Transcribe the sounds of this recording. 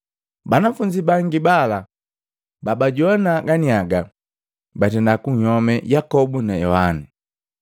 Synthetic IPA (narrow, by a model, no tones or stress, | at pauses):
banafuɲd͡ʒibaŋɡibala | babaɟɔnaɡaniaɡa | batɛndakuɲhɔmɛjakɔbunajɔhani